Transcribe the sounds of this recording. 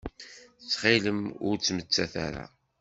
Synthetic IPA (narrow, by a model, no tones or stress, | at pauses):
t͡sːχiləmʊɾt͡sːmət͡sːæθa̰ɾa̰